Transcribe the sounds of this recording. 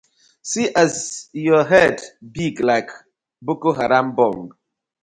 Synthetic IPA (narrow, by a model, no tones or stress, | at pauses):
siʔazjɔɦɛdbiklaɪk | bukoɦaɾãmbɔl